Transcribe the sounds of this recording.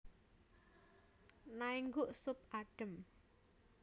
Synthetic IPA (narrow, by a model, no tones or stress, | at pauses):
naiŋɡʊʔsʊp̚aɖ̥ə̤m